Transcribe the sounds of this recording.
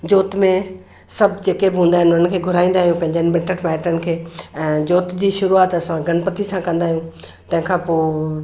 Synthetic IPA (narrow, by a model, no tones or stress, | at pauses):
d͡ʑoːt̪mẽ | sɐbʱd͡ʑeːkebɪɦũːn̆d̪aːɦɪnʊnənkʰeːɡʱʊɾaːĩːnd̪aːɦijũpɐ̃ɦɪ̃ɲd͡ʑənɪ̆mɪ̃ɳʈəʈmaːɪʈənɪ̆kʰeːɛ̃ːd͡ʑoːt̪d͡ʑiːʃʊɾuaːt̪ɐsãɡɐnpət̪isãkɐ̃nd̪aːɦijũ | t̪ɐ̃ɦɪ̃kʰãpoː